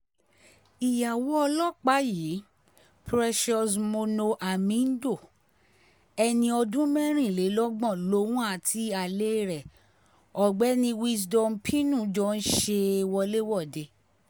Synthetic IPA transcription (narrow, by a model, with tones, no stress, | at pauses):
i˨ja˨wɔ˦ɔ˧lɔ˦˨k͡pa˨˦ji˨˦ | pɾɛ˧ʃɔ˧smo˧no˧ʔa˨mĩ˨˦n̩˦do˦˨ | ɛ˧nĩ˧ɔ˧dũ˦mɛ̃˦ɾ̃ĩ˦˨le˨˦lɔ˦ɡ͡bɔ̃˦˨lo˧˦wũ˦a˦˨tʰi˧˦a˨le˦˨ɾɛ˨ | ɔ˨ɡ͡bɛ˨˦nĩ˧wi˦s̬dɔ˧m˦pʰĩ˦nũ˦˨˦d͡ʒɔ˧˦n̩˦ʃe˧˨wɔ˧le˦wɔ˦˨de˧˦